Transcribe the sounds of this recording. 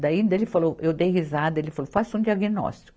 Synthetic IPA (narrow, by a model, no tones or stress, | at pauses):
d̪aĩnd̪ɐelɪfalowʔewd̪ejhizad̪ɐelɪfalowfasũd̪iɐɡinɔ̰st̪i̥kʊ